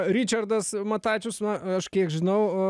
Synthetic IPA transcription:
ɾʲit͡ʃʲɐrd̪ɐsmɐt̪ɑːt͡ʃʲʊsmɐɐʃkʲiɛkʒʲɪnɐʊ

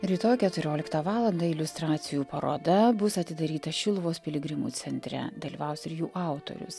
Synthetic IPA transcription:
ɾʲiːt̪oːjkʲɛt̪ʊɾʲoːlʲɪkt̪ɑʋɑːlˠɐnd̪ɑɪlʲʊst̪ɾɑːt̪sʲɪjuːpɐɾo̰ːd̪ɐbʊsɐt̪ʲɪd̪ɐɾʲiːt̪ɐʃʲɪlˠʊʋoːspʲɪlʲɪɡɾʲɪmṵːt̪sʲɛnʲt̪ʲɾʲɛ̰d̪ɐlʲiːʋɑˑʊsɪɾjuːʔɑˑʊt̪o̰ɾʲʊ̰s

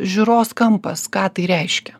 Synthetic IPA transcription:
ʒʲʊɾoːskɐmpɐskɑːt̪ɐɪɾʲɛɪʃʲkʲɛ

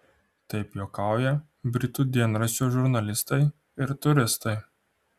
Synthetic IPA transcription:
t̪ɐɪpjoːkɑˑʊjɛ | bʲɾʲɪt̪uːd̪ʲiɛnɾɐsʲuːʒʊɾnɐlʲɪst̪ɐɪ | ɪɾt̪ʊɾʲɪst̪ɐɪ

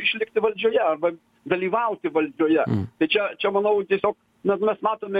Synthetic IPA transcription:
ɪʃʲlʲɪk̚t̪ʲɪʋɐlʲd͡ʒʲoːjɛɐrbɐ | d̪ɐlʲiːʋɐʊt̪ʲɪʋɐlʲd͡ʒʲoːjɛt̪ɐɪt͡ʃʲɛt͡ʃʲɛmɐnɐʊt̪ʲiɛsʲoːk | mʲɛsmʲɛsmɑːt̪oːmʲɛ

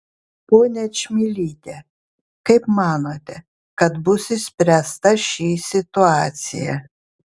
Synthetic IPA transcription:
poːnʲɛt͡ʃʲmʲilʲiːt̪ʲɛ | kɐɪpmɑːnoːt̪ʲɛ | kɐt̪bʊsʲɪsʲpʲɾʲæst̪ɐʃʲiːsʲɪt̪ʊɑːt̪sʲɪ̰jɛ̰

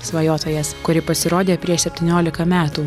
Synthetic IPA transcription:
sʋɐjoːt̪oːjɛskʊɾʲɪpɐsʲɪɾoːd̪ʲeːpʲɾʲiɛʃsʲɛpʲt̪ʲɪnʲoːlʲɪkɐmʲæːt̪uː

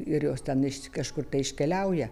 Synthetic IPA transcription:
ɪrjoːst̪ʲɛnɪʃkɐʃkʊrt̪ɐɪɪʃʲkʲɛlʲɛʊjɛ

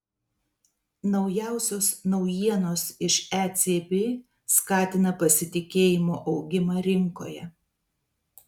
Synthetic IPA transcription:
nɒʊjæˑʊsʲoːsnɒʊjiɛnoːsɪʃæːt̪sʲeːbʲeː | skɑːt̪ʲɪnɐpɐsʲɪt̪ʲɪkʲeːjɪmoːʔɒʊɡʲɪmɑɾʲɪŋko̰ːjɛ̰

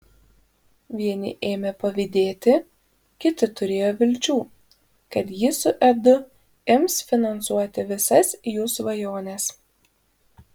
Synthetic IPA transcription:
ʋʲiɛnʲɪ̰ʔeːmʲɛpɐʋʲɪd̪ʲeːt̪ʲɪ | kʲɪt̪ʲɪt̪ʊɾʲeːjoːʋʲɪlʲt͡ʃʲuː | kɐt̪jɪsʊʔɛd̪ʊ | ɪmsfʲɪnɐnsuɔt̪ʲɪʋʲɪsɐsjuːsʋɐjoːnʲɛs

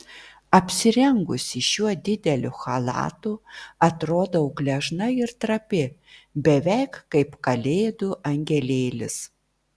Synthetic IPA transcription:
ɐpʲsʲɪɾʲɛŋɡʊsʲɪʃuɔd̪ʲɪd̪ʲɛlʲʊxɐlˠɑ̰ːt̪uɐt̪ɾoːd̪oʊɡlʲɛʒnɐɪɾt̪ɾɐpʲɪbʲɛʋʲɛɪkːɐɪpkɐlʲeːd̪ʊʔɐŋʲɡʲɛlʲeːlʲɪ̰s

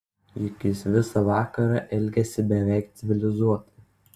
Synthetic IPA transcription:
jɪkʲɪsʋʲɪsɐʋɑːkɐɾɑʔɛlʲɡʲɛsʲɪbʲɛʋʲɛˑɪkt̪sʲɪʋʲɪlʲɪzuɔt̪ʲ

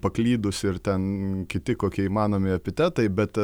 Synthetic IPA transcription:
pɐklʲiːd̪ʊsɪrt̪ʲɛnkʲɪt̪ʲɪkoːkʲiɛiːmɑːnoːmʲɪɐpʲɪt̪ʲæt̪ɐɪbʲɛt̪

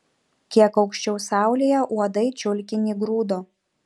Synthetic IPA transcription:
kʲiɛkɐʊkʃʲt͡ʃʲɛʊsɑˑʊlʲeːjɛʔuɔd̪ɐɪt͡ʃʲʊlʲkʲɪnʲiːɡɾuːd̪oː

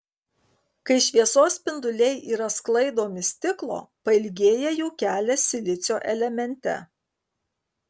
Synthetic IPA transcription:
kɐɪʃʲʋʲiɛsoːspʲɪnd̪ʊlʲɛɪʔiːɾɐsklˠɐɪd̪oːmʲɪsʲt̪ʲɪklˠo̰ːpɐɪlʲɡʲeːjɛjɛʊkʲæːlʲɛsʲɪlʲɪt̪sʲoːʔɛlʲɛmʲɛnʲt̪ʲɛ̰

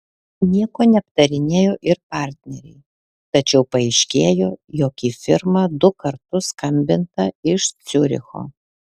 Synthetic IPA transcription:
nʲiɛkoːnʲɛɐp̚t̪ɐɾʲɪnʲeːjoːʔɪɾpɑˑɾʲt̪ʲnʲɛɾʲɛ̰ɪ | t̪ɐt͡ʃʲɛʊpɐɛɪʃʲkʲeːjoːjoːkʲiːfʲɪɾmɐd̪ʊkɐɾt̪ʊskɐmʲbʲɪnt̪ɐɪʃt̪sʲʊɾʲɪ̰xo̰ː

